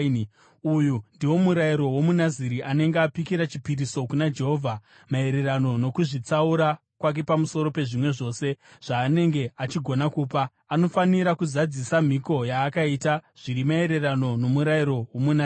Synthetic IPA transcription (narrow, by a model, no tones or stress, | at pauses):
ujundiwo̞muɾaiɾo̞wo̞munaziɾiʔane̞ŋɡeapikiɾat͡ʃipiriso̞kunad͡ʒe̞ɦo̞ːvʱa | mae̞ɾe̞rano̞no̞kuʐit͡sauɾa | kwak̬e̞pamuso̞ɾo̞pe̞ʐimwe̞ʐo̞ːse̞ʐ̥aːne̞ŋɡe̞at͡ʃiɡʱo̞nakuːpaː | no̞faniɾakuzad͡zisam̤iko̞jaːkaitaʐ̥iɾimae̞ɾe̞rano̞no̞muɾaiɾo̞wo̞muna